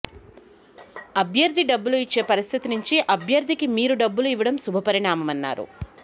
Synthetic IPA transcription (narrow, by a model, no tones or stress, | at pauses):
ɐbʱjɐɾd̪ʱiɖɐbːuluit͡ʃːe̞ːpɐɾist̪ʰit̪inuɲt͡ʃiʔɐbʱjɐɾd̪ʱikimiːɾuɖɐbːuluiʋɐɽɐmsubʱɐpɐɾiɳaːmɐmɐnːa̰ːɾṵ